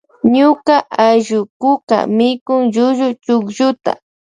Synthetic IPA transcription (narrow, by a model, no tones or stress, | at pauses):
ɲʊkaʔaʒʊkʊka̰mɪkʊŋʒʊʒʊt͡ʃʊkʒʊt̪a̰